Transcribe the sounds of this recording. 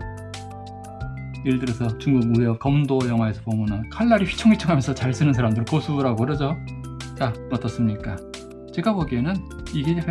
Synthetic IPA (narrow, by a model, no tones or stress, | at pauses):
eɭdɯɾesʰʌt͡ɕuŋɡuɡ̚mueʌp̚kʌmdojʌŋwaesʰʌpomunɯnkʰaɭːaɾiɸɥi̥t͡ɕʰoŋɥit͡ɕʰʌŋɦamjʌnsʰʌt͡ɕaɭs͈ɯnɯnsʰaɾamdɯɭk͈osʰuɾaɡoɾʌd͡ʑo | t͡ɕamʌt͈ʌs͈ɯmɲik͈a | t͡ɕeɡaboɡienɯniɡe